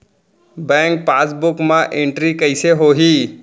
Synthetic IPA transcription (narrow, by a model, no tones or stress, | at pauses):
bɛ̃ːŋk̚paːsbʊkmãʔẽɳʈɾikɐɪseɦoːɦiː